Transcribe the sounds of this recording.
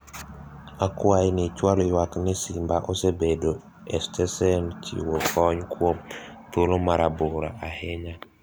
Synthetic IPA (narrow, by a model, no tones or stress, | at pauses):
akwainɪt͡ʃwalowaknɪsimbaʔosebedo | ɛstʰɛsɛnt͡ʃḭwokʰɔɲkwomt̪olomaɾabʊɾa̰ʔaheɲa